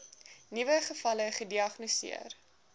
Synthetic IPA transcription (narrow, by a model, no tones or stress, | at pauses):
nivəχəfɐləχədiɐχnosḭər